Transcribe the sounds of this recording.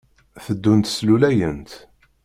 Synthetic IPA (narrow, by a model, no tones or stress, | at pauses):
θəd̪ːunt̪slulæjənt̪